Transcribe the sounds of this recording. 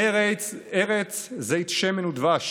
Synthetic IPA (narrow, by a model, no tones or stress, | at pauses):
eʁet͡szeit̪ʃemenud̪vaʃ